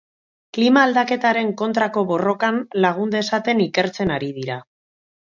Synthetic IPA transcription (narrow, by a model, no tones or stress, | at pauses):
klimaːld̪ake̞t̪aɾe̞ŋko̞nt̪ɾako̞βo̞ro̞kanlaɣ̞und̪esat̪e̞nike̞ɾt͡se̞naɾiðiɾa